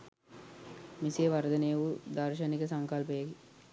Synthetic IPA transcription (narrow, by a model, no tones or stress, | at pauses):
miseʋɐɾd̪ɐnejəʋud̪ɐɾʃɐnikəsɐŋkɐlpəjɐki